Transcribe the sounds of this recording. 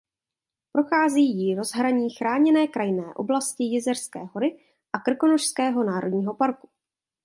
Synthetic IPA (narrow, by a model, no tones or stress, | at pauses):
pɾo̞xaːziːjɪɾo̞zɦɾaɲiːxɾaːɲɛnɛːkɾajnɛːʔo̞̰blascɪjɪzɛrskɛːɦo̞ɾɪ | ʔakr̩ko̞noʃskɛːɦo̞naːɾo̞dɲiːɦo̞paɾku̥